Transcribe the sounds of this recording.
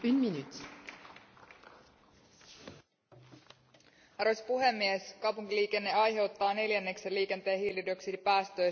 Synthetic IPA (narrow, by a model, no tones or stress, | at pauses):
ynminyt̪i̥ | ɑɾospuɦe̞mːieskɑwpuŋk̟iliːk̟e̞nːe̞ɑjɦe̞wt̪ːɑːne̞ljænːe̞kselːiːk̟e̞nt̪e̞ːhɦiːlidoksidipæːst̪ø̞j